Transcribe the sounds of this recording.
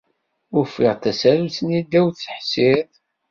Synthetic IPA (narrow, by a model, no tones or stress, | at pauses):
ʊɾfɪʁt̪æsæɾsnid̪æwθə̥ħsɪðˤ